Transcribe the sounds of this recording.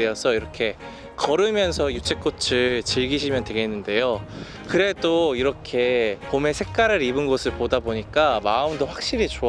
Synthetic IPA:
eʌsʰʌiɾʌkʰe̞ | kʌɾɯmjʌnsʰʌjut͡ɕʰek͈ot͡ɕʰɯɭt͡ɕiɭɡiɕ̬ʰimjʌndwe̞ɡe̞nːɯnde̞jo | kɯɾe̞doiɾʌkʰe̞pome̞sʰe̞k̚k͈aɾɯɾibɯnɡʌsʰɯɭpodaboɲik͈amaɯmdoɸwak̚ɕ͈iɾit͡ɕo

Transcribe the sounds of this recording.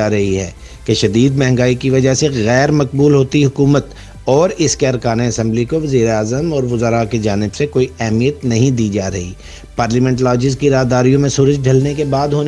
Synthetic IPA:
aːɾɐɦiɦɛ̰ː | keʃɐd̪iːd̪mɛɦŋɡaːikiʋɐd͡ʒaɦseɣɛːɾmɐk̚buːlɦoːt̪iɦʊkuːmət̪ | ɔːɾɪskeɐɾkaːneɐsɛ̃mblikoʋɐziːɾeaːzəmɔːɾʋʊzəɾaked͡ʒaːnɪbsekoːiɛɦmijət̪nɐɦĩd̪iːd͡ʒaːɾɐɦiː | paːɾliːmɛ̃ːɳʈlɔːd͡ʒɪzkiɾaːɦd̪aːɾijõmẽsuːɾəd͡ʒɖʱɐlnekebaːd̪ɦoːn

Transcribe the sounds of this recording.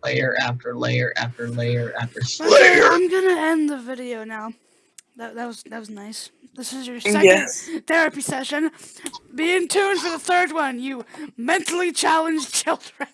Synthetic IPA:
leɪə˞ʔæftə˞lḛɪɾə˞ʔæ̰ftə˞leɪə˞ʔæftə˞sãɪ̃mɡʌnɨɛ̃nðɨvɪɾioʊnaʊ | ðɨt̚ðɨt̚wʌzðɨt̚wʌznaɪsðɪsɨzjə˞sɛkɛnθɛɹɨpisɛʃɨ̃nbiɪ̃ŋtʰʉ̃nfə˞ðəθɜ˞d̚wʌ̃njɨmɛ̃ntl̩ˠit͡ʃʰælˠə̃nd͡ʒt͡ʃʰɪlˠdɹɨ̃n

